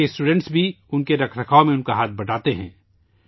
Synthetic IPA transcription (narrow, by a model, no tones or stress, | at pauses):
esʈuːɖɛ̃ɳʈsbʱi | ʊnkeɾɐkʰɾɐkʰaːomẽʊnkaɦaːt̪̚bɐʈaːt̪eɦɛ̰̃ː